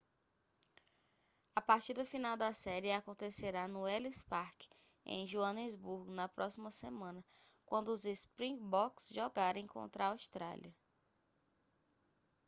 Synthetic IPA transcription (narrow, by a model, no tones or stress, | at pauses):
apaɾt͡ʃiɾd̪ʊfinawd̪ɐsɛɾɪakõnt̪eseɾanʊɛlispaɾkɪ̥ | ḛ̃j̃ʒuɐ̃nezbuɾɡʊnɐpɾʔɔsimɐsemɐ̃nɐkwɐ̃nd̪ʊːzespɾĩŋɡbɔksʒɔɡaɾẽj̃kõ̰nt̪ɾɐaawst̪ɾa̰lʲiɐ